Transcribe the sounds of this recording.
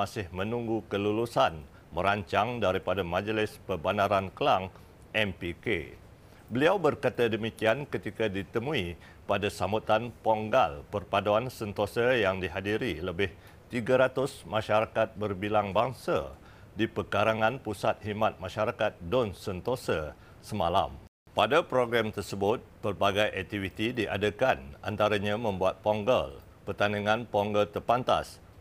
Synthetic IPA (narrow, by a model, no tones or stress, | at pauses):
asɪhmə̃nũŋɡukəlulusan | məɾaɲt͡ʃaŋdaɾipadamãd͡ʒəlɪspəbanaɾankəlaŋ | ɛmpikḛ | bəliawbərkat̪adəmikiankət̪ikadit̪əmũi | padasamut̪anpɔŋɡa̰lpərpadaansənt̪osəjaŋdiɦadiɾiləbɪh | t̪iɡaɾat̪ʊsmãʃaɾakat̪̚bərbilaŋbaŋsa̰ | dipəkaɾaŋãnpusat̪̚himãt̪̚mãʃaɾakat̪̚dɔnsənt̪osə | səmã̰la̰m | padapɾoɡɾamt̪ərsəbʊt̪̚pərbaɡajʔɛk̚t̪ivit̪idiʔa̰dəkana̰nt̪aɾaɲãmə̃mbuat̪̚pɔŋɡəl | pərt̪aniŋãnpɔŋɡəlt̪ərpant̪a̰s